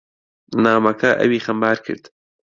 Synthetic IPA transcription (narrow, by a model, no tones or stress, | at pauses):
naːmɐkʰɐʔɐ̰wiːxɐmbaːɾkʰɨ̰ɾd̪